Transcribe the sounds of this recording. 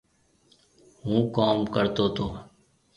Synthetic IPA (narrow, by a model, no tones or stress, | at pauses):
ɦũːkaːmkəɾt̪oːt̪ʰoː